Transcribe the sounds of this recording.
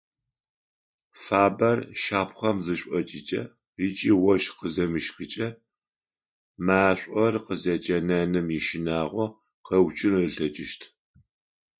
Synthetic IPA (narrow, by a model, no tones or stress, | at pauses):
faːbɐrʃaːpʰχɐmzɨɕʷʼɔt͡ʃʼit͡ʃʼɐ̰ | it͡ʃʼiːwɔʃqəzɐmɨʃxɨt͡ʃʼɐ | maːɬʷʼɔrqəzɐt͡ʃʼɐnɐnɨmjiʃɪnaːʁʷɔ | qɐwt͡ʃʼɪnrɨɬɐt͡ʃʼɪʃtʰ